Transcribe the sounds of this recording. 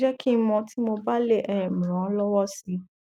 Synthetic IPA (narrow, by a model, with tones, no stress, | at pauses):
d͡ʒɛ˦kĩ˦mɔ̃˧tʰi˦mo˧ba˦le˦˨ʔɛ˦˨mĩ˨ɾ̃ã˨˦lɔ˦wɔ˦si˨˧˦